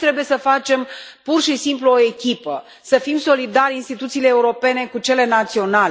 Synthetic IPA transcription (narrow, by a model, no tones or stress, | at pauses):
t̪ɾebuje̞səfat͡ʃe̞m | purʃisimpluo̞e̞kʲipə | səfimso̞lid̪aɾʲinst̪it̪ut̪siːle̞ːuɾo̞pe̞ne̞kut͡ʃe̞le̞nat̪sio̞nal